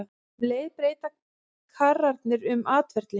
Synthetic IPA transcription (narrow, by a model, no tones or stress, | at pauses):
vleːjðpɾeːjt̪a | kʰarːaɾt̪nɪɾʏmaːt̪vɛɾ̥t̪lɪ